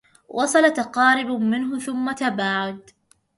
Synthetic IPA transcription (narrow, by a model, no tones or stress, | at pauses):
wʔɑsˤɑlat̪ɑqɑːɾɪbmɪnɦʊθʊmːat̪abaːʕad̪